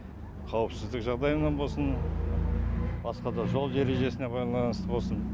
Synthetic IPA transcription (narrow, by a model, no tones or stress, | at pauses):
qʰɑwəpsɪzd̪ɪkʒɑʁd̪ɑjəmnɑnbosən | bɑsqɑd̪ɑʒo̞lˠd̪e̞ɾe̞ʒe̞sɪne̞bɑjd̪ɑlˠɑnəst̪əbo̞lˠsən